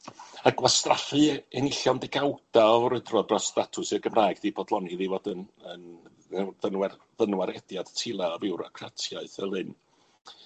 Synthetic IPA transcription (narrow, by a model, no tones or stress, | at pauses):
aɡwastrafɨɛnɪɬjɔndɪɡawd̥aɔɾədrɔdrɔstatʰʊsɨrɡəmraːɨɡðiːbɔdlˠɔniðivodənən | ðənwɛrðənwaɾɛdjad̥tʰɪlˠaɔvɪwɾakʰratʰjaɨθəlˠɨn